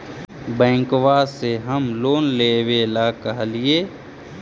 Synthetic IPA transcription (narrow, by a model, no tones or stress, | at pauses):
bɛ̃ːŋkwaseɦəmloːnleːʋeːlakəɦlie